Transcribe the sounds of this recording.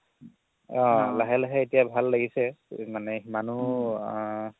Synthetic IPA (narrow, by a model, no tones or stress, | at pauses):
ɔ̃laɦɛlaɦɛetijabʱalːaɡisɛmanɛmanu